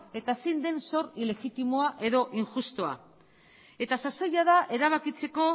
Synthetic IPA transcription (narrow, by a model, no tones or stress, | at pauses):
e̞t̪asend̪e̞nso̞rile̞ɣit̪imoaʔe̞ðo̞ʔiŋʝust̪o̞a̰ | e̞t̪asaso̞jaðaʔe̞ɾaβ̞akit͡se̞ko̞